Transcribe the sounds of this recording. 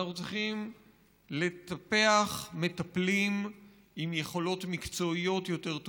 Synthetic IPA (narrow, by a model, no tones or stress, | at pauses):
ot͡sχim | le̞t̪ape̞aχme̞t̪aplim | imje̞χo̞lo̞t̪mikt͡so̞ijo̞tjo̞te̞ʁt̪o